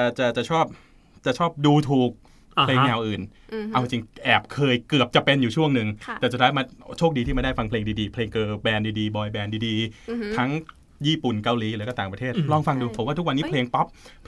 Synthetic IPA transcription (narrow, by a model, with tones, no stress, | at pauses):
t͡ɕa˨˩t͡ɕa˨˩t͡ɕʰɔː˥˩p̚ | t͡ɕa˨˩t͡ɕʰɔː˥˩p̚duː˧t̪ʰuː˨˩k̚ | pʰleː˧ŋnɛː˧wʔɯː˨˩nʔa˧wi˧t͡ɕi˧ŋʔɛː˨˩p̚kʰɤː˧jkɯ˨˩əp̚t͡ɕa˨˩pe˧njuː˨˩t͡ɕʰu˥˩əŋnɯ˨˩ŋʰ˧ɛː˨˩su˨˩t̪ʰːa˦˥ma˧t͡ɕʰoː˥˩k̚di˧iː˥˩m˧daː˥˩jfa˧ŋpʰleː˧ŋdiː˧diː˧pʰleː˧ŋkɤː˧bɛː˧ndiː˧diː˧bɔː˧jbɛː˧ndiː˧diː˧t̪ʰa˦˥ŋ | jiː˥˩pu˨˩nka˧wliː˨˦lːka˥˩t̪aː˨˩ŋpɾa˧t̪ʰeː˥˩t̪̚lɔː˥˩ŋfa˧ŋduː˧pʰo˩˦mwaː˥˩u˥wa˧nːiː˦˥pʰleː˧ŋpɔ˦˥p̚